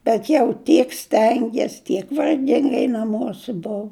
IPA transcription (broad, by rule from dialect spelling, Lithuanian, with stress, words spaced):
bʲɛt jɛʊ ˈtʲiɛk ˈsʲtʲɛŋʲɡʲiɛs tʲiɛk ʋɐrʲˈɡʲɪŋɡɐɪ nɐˈmuɔsʲɪ ˈbʊʊ